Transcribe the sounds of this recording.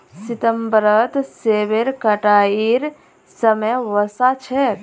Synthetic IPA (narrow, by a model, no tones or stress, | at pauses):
sit̪əmbɾət̪seʋeɾkəʈaːiɾ | səməjʋəsat͡ʃʰɛ